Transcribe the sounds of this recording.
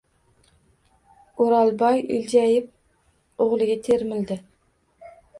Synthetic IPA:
ʊɾɑlˠbɒjɪ̰lʲd͡ʒæjɪp̚ | oʁlˠɪɡʲat̪ʰeɾmɪld̪ɪ

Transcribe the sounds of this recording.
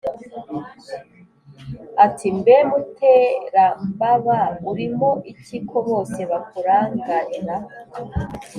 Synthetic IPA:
atʰimbemutʰeːɾambaβauɾimoʔicikʰoβo̞ːse̞βakuɾaːŋɡaɾiɾa

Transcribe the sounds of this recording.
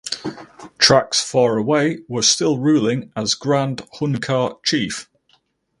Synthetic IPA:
tʰɹ̥aksfɑːɹəweɪwə̥stɪlˠɹʉːlɪ̃ŋəzɡɹãnd̥hʊ̃nəkʰɑˑt͡ʃʰiˑf

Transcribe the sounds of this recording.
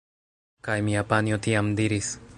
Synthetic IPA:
kajmiapanjot̪iamd̪iɾis

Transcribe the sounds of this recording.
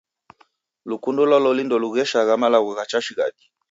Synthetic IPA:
lukundɔlɔlɔlindɔluɣɛʃaɣamalaɣuɣat͡ʃaʃiɣa̰ɗi

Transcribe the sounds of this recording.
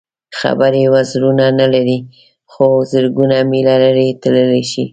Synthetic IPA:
xa̰bəɾewazɾunanalaɾi | xozəɾɡunamilalaɾet̪ləleʃi

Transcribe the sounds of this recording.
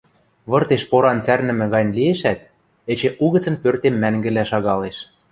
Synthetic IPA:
βɤ̆rt̪eʃpoɾɑnt͡særnɘ̆mɘ̆ɣɑnʲlieʃæt̪̚ | ĕt͡ɕeʔuɣɤ̆t͡sɤ̆npørt̪emːæŋɡɘ̆læʃɑɣɑleʃ

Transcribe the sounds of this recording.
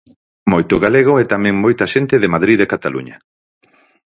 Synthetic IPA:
mojt̪ʊɣaleɣ̞ʊɛt̪amɛ̃ŋmojt̪aʃent̪ɪðemaðɾiðekat̪alṵɲɐ

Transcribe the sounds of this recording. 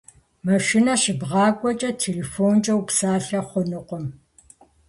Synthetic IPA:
mɐʃɪnɐɕɪbʁɑːkʷʼɔt͡ʃʼɐtʰeːleːfoːnt͡ʃʼɐwpsaːɬɐχʷʊnɨqʷɔm

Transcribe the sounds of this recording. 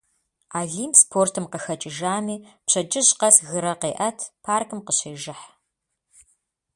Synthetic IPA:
aːɮiːmspʰoːrtʰɨmqəxɐt͡ʃʼɪʒaːmiːpɕɐd͡ʒʼɪʑqɐsɣɨɾɐqeːʔɐtʰpʰaːrkʰɨmqəɕeːʒɪħ

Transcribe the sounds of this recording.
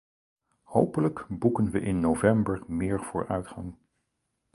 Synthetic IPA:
howpələkbukənʋəʔɪnːowvɛmbəɹmɪːɹv̥ʊːɹœ̰ɥtχɑ̰ŋ

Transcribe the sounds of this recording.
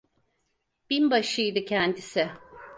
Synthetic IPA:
b̥inbaʃɯjd̪ɯcʰɛnd̪isɪ

